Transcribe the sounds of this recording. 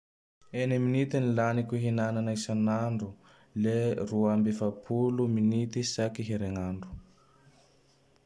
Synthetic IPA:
eniminit̪inilanikʲuɦinananajsanaɳɖ͡ʐu | leruambifapʰuluminit̪isakiɦiɾeŋaɳɖ͡ʐu̥

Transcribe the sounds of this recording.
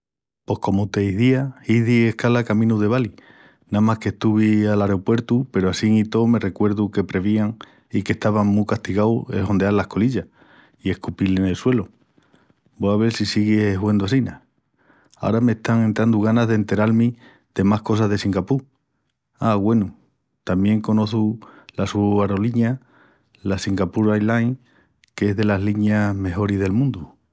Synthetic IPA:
po̞hko̞mot̪e̞iðiaiðie̞hkalakamĩnuðe̞βali | namahke̞st̪uβ̞ialaɾeopwe̞ɾt̪upe̞ɾoasiŋit̪o̞me̞re̞kwe̞ɾðuke̞pɾe̞β̞iaŋ | ike̞hst̪aβaŋmukast̪iɣawe̞̰lho̞nd̪ealahko̞liʎa | ie̞hkupilene̞lswe̞lo | boaβ̞e̞ɾsisiɣeɦwend̪uas̬ina | a̰oɾame̞ht̪aŋe̞nt̪ɾand̪uɣ̞anazðent̪e̞ɾalmĩ | d̪̥e̞mahko̞sazðe̞siŋɡapu | aɣwe̞nu | t̪amje̞ŋko̞no̞θulasuaɾo̞liɲa | lasiŋɡapuɾajlajŋ | ke̞zðe̞lazliɲame̞xo̞ɾizðe̞lmũnd̪u

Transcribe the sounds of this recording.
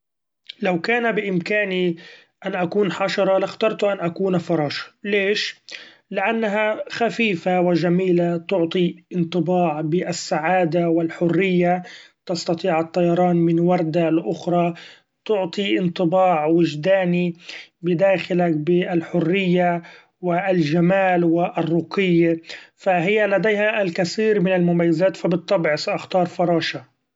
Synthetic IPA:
lawkaːnabɪʔɪmkaːni | ʔanʔakuːnħɑʃɑɾˤɑlaxt̪ɑɾˤt̪ʊʔanʔakuːnafɑɾˤɑːʃleːʃ | lɪʔanːaɦaxafiːfawɪʒamiːlat̪ʊʕt̪ˤiʔɪnt̪ˤɨbɑːʕbɪʔsːaʕaːd̪awɪlħʊrːɪjːat̪ɑst̪ɑt̪ˤiːʕɑt̪ˤːɑjɑɾˤɑːnmɪnwɑɾˤd̪alʔʊxɾˤɑ | t̪ʊʕt̪ˤiʔɪnt̪ˤɨbɑːʕwɪʒd̪aːnibɪd̪aːxɪlak̚bɪɪlħʊrːɪjːa | wɪlʒamaːlwɪʔɪrˤːʊqɪjːafaɦɪjːalad̪ejɦaʔlkaθiːɾmɪnalmʊmajːazaːt̪fabɨt̪ˤːɑbʕsaʔɑxt̪ɑːɾˤfɑɾˤɑːʃa

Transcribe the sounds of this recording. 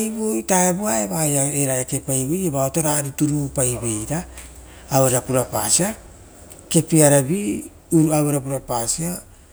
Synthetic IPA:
jbojtaebuaeβajaeɾajakepajβejebaotoɾaɾituɾupajbe̞jɾaː | weɾakuɾapa̰sia | ke̞piaɾabi | uɾuaβeɾap̬uɾapasia

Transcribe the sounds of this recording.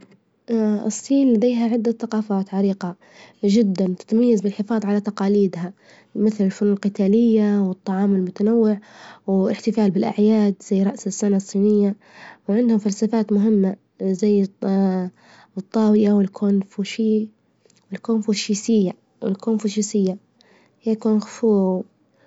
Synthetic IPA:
ɨsˤːiːnlad̪ejɦaʕɪd̪ːaθaqɑːfaːt̪ʕɑɾiːqɑ | ʒɪd̪ːant̪ɪ̥t̪majːazbɪlħɪfɑːðˤʕalat̪ɑqɑːliːd̪ɦa | mɪθlɪlfʊnuːnlqɪt̪aːlɪjːawɨt̪ˤːɑʕɑːmɪlmʊt̪anawːɪʕwɪħt̪ɪfaːlbɪlʔa̰ʕjaːd̪zajːɾˤɑʔsɪsːanasˤːiːnɪjːa | wʕɪnd̪hʊmfalsafaːt̪mʊɦɪmːa | zajː | ɨt̪ˤːɑːwɪjawɪlkʰuːnfuʃiː | wɪlkuːnfuʃiːsɪjːa | wɪlkuːnfuʃiːsɪjːa | jakuːnxfuːw

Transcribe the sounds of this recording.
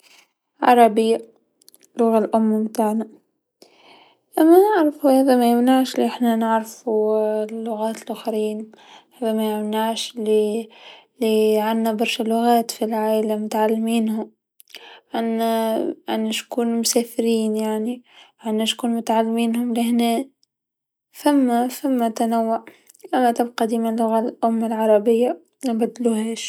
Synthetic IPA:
ʕɑɾˤɑbɪjːa | lʊɣalʔʊmːmt̪aːʕna | ʔæmːænɪʕɾfuhæːðæmæjɪmnaʕʃliʔɪħnanɪʕɾfulːʊɣaːt̪lʔʊxɾiːn | hæːðæmæjɪmnaʕʃli | liʕanːabɑɾˤʃælːʊɣaːt̪filʕaːʔlamʊt̪ʕalːmiːnhʊm | ʕanːæʔa̰nːæʃkuːnmʊsæːfɪɾiːnjaʕniʕanːæʃkuːnmʊt̪ʕalːmiːnɦʊmlɪhnɛː | fæmːæfæmːæt̪anawːaʕ | ʔæmːæt̪ɪbqɑd̪iːmlːʊɣalʔʊmːalʕɑɾˤɑbɪjːa | nbæd̪ːluhɛːʃ

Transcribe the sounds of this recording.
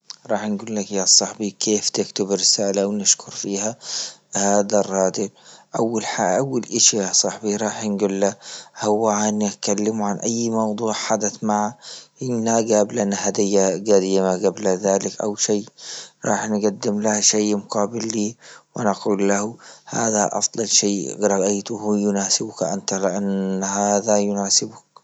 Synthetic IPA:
ɾˤɑːħnɡuːlːakjasˤɑħbikʰeːft̪ɪkt̪ʊbɾɪsaːlawnɪʃkʊɾfiːhahaːd̪arˤːɑːd̪ɪlʔawːalħaʔawːalʔɪʃijasˤɑħbiɾˤɑːħnɡuːlːahʊwːaʕant̪kalːɪmuʕanʔajːmɑwd̪ˤuːʕħad̪aθmaʕaʔɪnːaɡaːblʔanːhad̪ɪjːaɡad̪iːmaɡablaðaːlɪkʔa̰wʃajːɾˤɑːħnɡad̪ːɪmlahʃajmʊqɑːbɪlːiːwɪnaquːlːahuha̰ːðaʔɑ̰fd̪ˤɑlʃeːɾˤɑʔajt̪uhujʊnaːsɪbʊkʔant̪alɪʔanhaːðajʊnaːsɪbʊk

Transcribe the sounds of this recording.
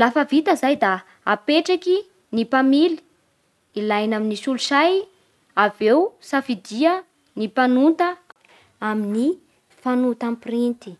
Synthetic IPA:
lafəvit̪əzajd̪a | apeʈ͡ʂaki | nipamili̥ | ilajnaminisuluʃaj | avewsafid̪iə | nipanut̪ə | amini | fanut̪amprint̪i̥

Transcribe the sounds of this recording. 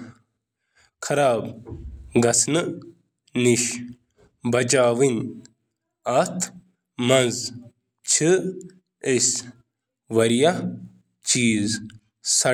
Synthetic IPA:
kʰɐɾaːb | ɡɐsnɨ | niʃ | bɐt͡ʃaːwin | ɐt̪ʰ | mɐnz | t͡ɕt͡ʃʰɨ | es | ʋɐɾja | t͡ʃiːz | sɐ

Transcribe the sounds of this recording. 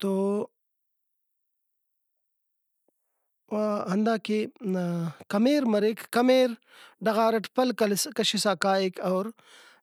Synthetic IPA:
t̪oː | aɦɐnd̪aːke | kɐmeːɾmɐɾekʰkɐmeːɾ | ɖɐɣaːɾɐʈʰpɐlkɐlkɐʃisaːkaːikɐːɾ

